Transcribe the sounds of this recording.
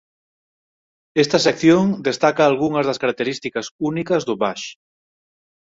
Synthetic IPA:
est̪ɐsekθjoŋd̪est̪akaːlɣuŋɐzðɐskaɾak̚t̪eɾist̪ikɐsunikɐzðʊβaʃ

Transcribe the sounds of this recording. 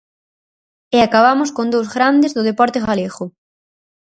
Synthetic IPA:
eakaβamʊskõnd̪owzɣɾand̪ezðʊðepɔɾt̪eɣaleɣʊ

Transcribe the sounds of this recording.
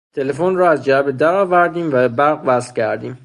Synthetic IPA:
t̪ʰe̞le̞fonrɒːæzd͡ʒæbed̪æɾɒːvæɾd̪iːmvæbebæɾɣvæst̪cʰæɾd̪iːm

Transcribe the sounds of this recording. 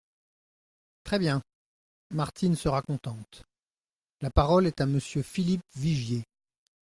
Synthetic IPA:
t̪χɛbjɛ̃ | maʁt̪ʰinsəʁakɔ̃t̪ɑ̃t̪ | lapaʁɔlɛt̪aməsjøfilip̚viʒje

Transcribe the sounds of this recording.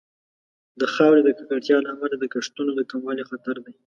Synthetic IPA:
d̪əxɑwɾed̪əkakaʈjɑlaːmalad̪əkaʂt̪unod̪əkamwɑlexat̪aɾd̪aj

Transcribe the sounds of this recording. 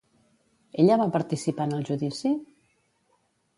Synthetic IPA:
eʎəβapəɾt̪isipanəlˠʒuðisi

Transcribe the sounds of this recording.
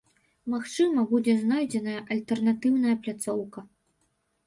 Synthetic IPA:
maxt͡ʂɨmɐbud͡zʲɛznajd͡zʲɛnɐjɐʔɐlʲt̪ɛrnat̪ɨwnɐjɐplʲat̪sɔwkɐ

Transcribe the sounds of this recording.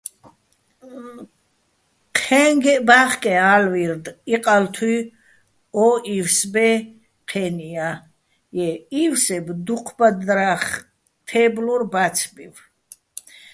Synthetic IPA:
qʰɛŋɡɛbaχkʼɛalviɾd̪iqʼalt̪ʰwi | ɔʔifsbɛ | qʰɛnia | jɛiwsɛbd̪uqʰbad̪ɾaχ | t̪ʰɛbluɾbat̪t͡sʰbḭv

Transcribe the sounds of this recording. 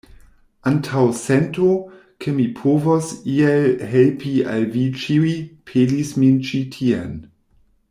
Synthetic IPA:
ʔantʰawsɛnto | kʰemipʰovosielɦelpʰia̰lvit͡ʃiwipʰelismint͡ʃitʰiḛn

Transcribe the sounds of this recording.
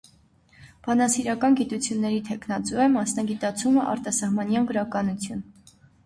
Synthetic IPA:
b̥ɑnɑsiɾɑkɑnɡit̪ut͡sʰjunːɛɾit̪ʰɛkʰn̪ɑt͡suɛmɑsnɑɡit̪ɑt͡sʰuməʔɑ̰ɾt̪ɑsɑhmɑnjɑnɡəɾɑkɑnut͡sʰjun

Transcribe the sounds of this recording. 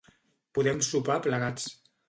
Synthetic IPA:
puðɛmsupapləɣat͡s

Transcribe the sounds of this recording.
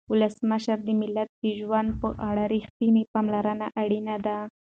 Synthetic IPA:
wʊləsməʃaɾd̪əmɪlːat̪̚d̪̥əʒwand̪̚pəʔaɽaɾixt̪inepamlaɾənaʔaɽinad̪a

